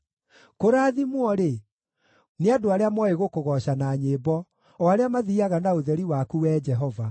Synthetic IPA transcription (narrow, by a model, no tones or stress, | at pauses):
koɾaːðimwɔɾe | neadoaɾeamwɔeɣokoɣɔɕanaːɲeːbɔ | aɾeamaðiaɣanaoðɛɾiwakuwɛːd͡ʒɛɦɔva